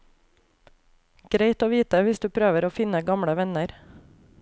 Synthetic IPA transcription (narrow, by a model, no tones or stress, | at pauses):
ɡ̥ɾeɪt̪oːʋiːt̪əʋɪsd̪ʉːpʰɾøːʋəɾoːfɪnəɡɑmɽəʋɛnəɾ